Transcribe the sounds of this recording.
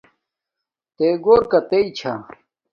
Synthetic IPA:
t̪eːɡoːɾkɐt̪eit͡ɕʰa

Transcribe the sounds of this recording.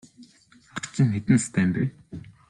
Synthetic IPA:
aat͡ɕɪ̆ŋxet̪ɘ̆nst̪æːmpe

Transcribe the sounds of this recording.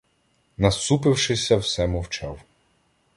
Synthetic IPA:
nɐst̪upɪwʃɪsʲɐwsɛmɔwt͡ʃɑw

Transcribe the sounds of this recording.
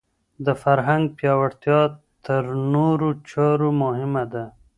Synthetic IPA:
d̪əfaɾɦaŋɡ̚pjɑwaɽt̪jɑt̪əɾnoɾot͡ʃɑɾomʊhɪmad̪a

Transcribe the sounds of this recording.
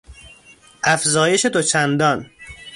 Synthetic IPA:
ʔæfzɒːje̞ʃet̪ʰot͡ʃʰænd̪ɒn

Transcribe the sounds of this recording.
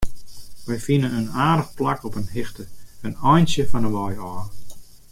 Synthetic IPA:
ʋəjfinənənaːdəxplakɔpənhɪxtəənɔjnsjəfɔnəʋɔjɔː

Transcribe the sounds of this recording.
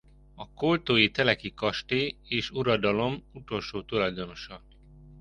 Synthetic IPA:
ɒkolt̪oːjit̪ɛlɛkikɒʃt̪eːeːʃuɾɒd̪ɒlo̞mut̪o̞lʃoːt̪ulɒjd̪o̞no̞ʃɒ

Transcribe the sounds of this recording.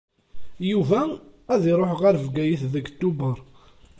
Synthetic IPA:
juvææðiɾˤoħəʁæɾəvɡæjiθðəɡt̪ːubəɾˤ

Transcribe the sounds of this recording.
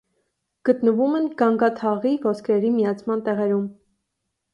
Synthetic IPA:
ɡ̥ət̪nəvumɛnɡɑŋɡɑt̪ʰɑʁivɔskɾɛɾimijɑt͡sʰmɑnt̪ɛʁɛɾum

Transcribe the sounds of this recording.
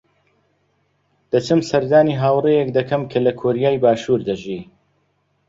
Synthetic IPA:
d̪̥ɐt͡ʃɨmsɐɾd̪aːniːɦaːwrejɛkd̪ɐkʰɐmkʰɐlɐkʰoɾijaːjbaːʃuːɾd̪ɐʒiː

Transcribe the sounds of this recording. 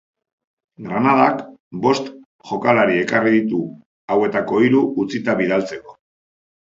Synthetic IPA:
ɡɾanað̞akbo̞st̪ | ʝo̞kalaɾie̞kariðit̪̬u | awe̞t̪ako̞iɾuut͡sit̪aβiðalt͡se̞ko̞

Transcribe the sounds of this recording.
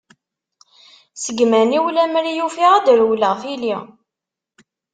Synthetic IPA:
səɡmæniwlæmɾijufiʁæd̪ɾwləʁfili

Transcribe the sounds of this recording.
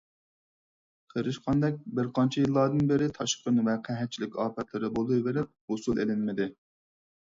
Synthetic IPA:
qʰəɾɨʃqʰɑnd̪ɛk̚ʲbɪɾqʰɑnt͡ʃʰijilˠːɑɾd̪ɨnbɪɾɪt̪ʰɑʃqənvɛqʰɛɦɛt̪̚t͡ʃʰilɪkʲɑːpʰɛt̪ʰlɨɾɨbolˠujveɾɪp̚hosulˠelɪnmɪd̪ɪ

